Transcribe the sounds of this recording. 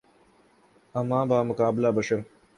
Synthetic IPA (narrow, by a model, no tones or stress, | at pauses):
ɐmãːbaːmʊkaːbɪlabɐʃɐɾ